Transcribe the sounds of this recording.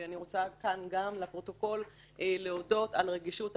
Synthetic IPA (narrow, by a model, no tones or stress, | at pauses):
aniʁo̞t͡sakanɡamlapʁo̞to̞ko̞l | ʔeleodo̞talʁeɡiʃut